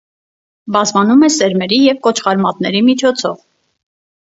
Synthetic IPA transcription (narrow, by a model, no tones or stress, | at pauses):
bɑzmɑnumɛsɛɾmɛɾijɛvkɔt͡ʃʰχɑɾmɑt̪̚nɛɾimit͡ʃʰɔt͡sʰɔv